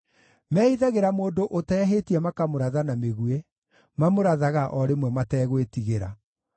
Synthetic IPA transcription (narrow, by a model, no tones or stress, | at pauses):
mɛiðaɣeɾamoːndoʔotɛaɦetiɛmakamoɾaðanameɣue | mamoɾaðaɣaʔɔɾemwɛmatɛːɣwetiɣeɾa̰